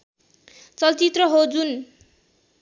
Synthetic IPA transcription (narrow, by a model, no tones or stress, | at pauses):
t͡sʌlt͡sit̪rʌɦod͡zun